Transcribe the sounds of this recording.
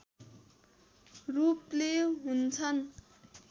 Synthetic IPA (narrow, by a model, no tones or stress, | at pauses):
rupleɦunt͡sʰʌn